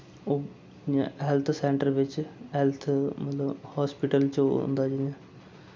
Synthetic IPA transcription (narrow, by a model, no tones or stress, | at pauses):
oː | ã̰ɦɛlt̪ʰsɛːɳʈəɾʋɪt͡ʃɦɛlt̪ʰmət̪ləbhaːspɪʈəlt͡ʃo̰nd̪aːd͡ʒinɛː